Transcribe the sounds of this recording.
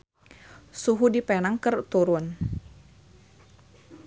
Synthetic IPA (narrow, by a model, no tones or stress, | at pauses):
suɦudipɛnaŋkərt̪uɾun